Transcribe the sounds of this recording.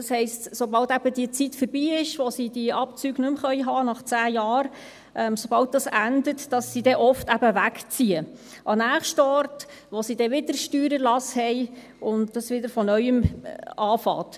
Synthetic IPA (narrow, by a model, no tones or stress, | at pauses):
d̥ɑshɛɪstsobɑltæb̥ədiət͡sitfəɾbiːɪʃʋosidiʔɑpt͡syːɡ̥nɵmχœʏɦɑːnɑχt͡sæːjɑːɾ | ʔɛmsobɑlt̚d̥ɑsændətd̥ɑsːidɛʔɔftæbəʋækt͡siə | ʔɑnæːχʃtəɔrt | ʋosidɛʋɪdəɾʃtyːɾəlɑshɛɪ | ʊndd̥ɑsʋɪdəɾfɔnœʏəmɑːfɑ̰ːt